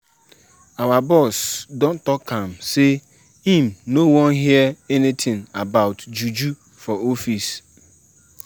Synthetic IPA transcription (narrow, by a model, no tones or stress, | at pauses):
awabɔsdõntɔkʰːãm̩se | ĩm̩nowɔ̃nɦiəɛnitʰɪ̃ŋabaʊtd͡ʒud͡ʒu | fɔofis